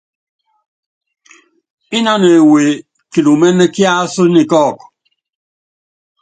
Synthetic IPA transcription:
i˦na˦ne˨we˨ | ki˨lu˨mɛ˦nːe˦kja˦su˦ni˨kɔ˦˨k

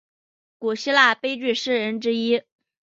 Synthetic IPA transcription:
ku˨˩ɕi˥la˥˩pe˥ɪt͡ɕy˥˩ʂɻ̩˥˩ɻə˧˥nʈ͡ʂɻ̩˥i˥

